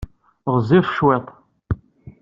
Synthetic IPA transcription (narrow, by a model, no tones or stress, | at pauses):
ʁzifʃwet̪ˤ